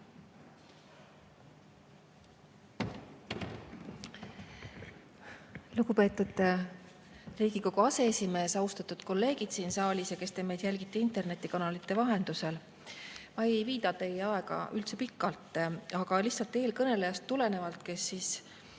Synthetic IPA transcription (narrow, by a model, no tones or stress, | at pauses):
luɡ̥upe̞ːt̪ːˑud̪̥ | riːɡiko̞ɡuɑse̞esime̞ːsɑwst̪ɑt̪ːud̪̥ko̞lːe̞ːɡ̥id̪̥siːnsɑːlʲisjɑke̞st̪e̞mejd̪jælʲɡit̪ːˑeint̪e̞rne̞t̪ːˑikɑnɑlit̪ːˑe̞vɑɦe̞nd̪̥use̞l | mɑeejviːd̪ɑt̪e̞jːeɑe̞ɡɑ̰ʔy̰lt̪se̞pikːɑlt̪ːˑɑɡ̥ɑliçsɑlt̪ːˑe̞ːlkɤne̞le̞jɑst̪ːule̞ne̞vɑlt̪ke̞sːiːs